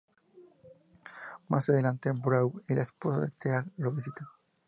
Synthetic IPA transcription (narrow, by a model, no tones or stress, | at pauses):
masaðelãnt̪ebɾawilaesposaðet̪eaɾloβis̬it̪a